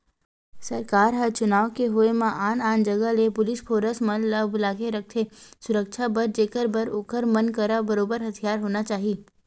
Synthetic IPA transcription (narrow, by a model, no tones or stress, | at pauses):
sɐɾkaːɾɦɐɾt͡ʃʊnaːʋkeɦoemãʔaːnaːnd͡ʒɐɡəlepʊlɪspʰoːɾəsmɐnləbʊlaːkeɾɐk̚ʰt̪ʰeːsʊɾəkʃʰabəɾd͡ʒeːkəɾbəɾʊkəɾmɐnkəɾabɐɾoːbəɾɦɐt̪ʰijaːɾɦoːnat͡ʃaːɦiː